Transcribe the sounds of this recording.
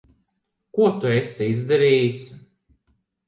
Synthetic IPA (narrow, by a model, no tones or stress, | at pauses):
kuɔt̪uesɛizd̪aɾiːjisʲ